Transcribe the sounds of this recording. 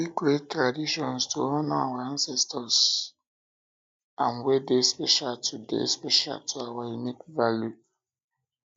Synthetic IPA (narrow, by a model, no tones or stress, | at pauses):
ikɾetːɾadiʃɔnstoɔnɔa̰waansɛstɔs | anwedespeʃaltʰudḛspeʃa̰ltʰʊawainikvalju